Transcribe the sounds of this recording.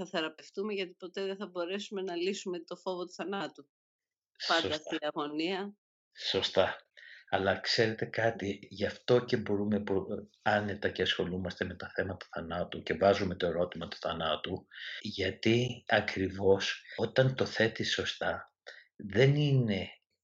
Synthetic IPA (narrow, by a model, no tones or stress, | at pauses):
ɐθeɾɐpe̞ft̪umeʝɐt̪i̥po̞t̪eðeθɐbo̞ɾe̞sume̞nɐlisume̞t̪o̞fo̞vot̪u̥θɐnɐt̪u | spɐnsiɐɣo̞niɐ | so̞st̪ɐɐlɐkse̞ɾe̞t̪e̞kɐt̪iʝɐft̪o̞ce̞bo̞ɾume̞pu | ɐne̞t̪ɐce̞ɐsxo̞lumɐst̪e̞me̞t̪ɐθe̞mɐt̪ɐ̥θɐnɐt̪uce̞vɐzume̞t̪o̞e̞ɾo̞t̪imɐt̪u̥θɐnɐt̪uʝɐt̪iɐkɾivo̞sot̪ɐnt̪o̞θe̞t̪iso̞st̪ɐ | ðe̞nine̞